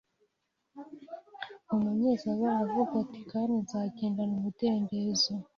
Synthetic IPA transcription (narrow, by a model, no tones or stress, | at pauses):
umaɲezaβaavukatikanezaːɡeːndanumuteːndezo